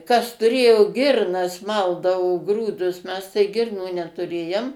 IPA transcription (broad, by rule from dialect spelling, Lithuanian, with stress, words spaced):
kɐs tʊˈrʲeːjoː ˈɡʲɪrnɐs ˈmɐlˠdɐʋoː ˈɡruːdʊs mʲɛs tɐɪ ˈɡʲɪrnuː nʲɛtʊˈrʲeːjoːm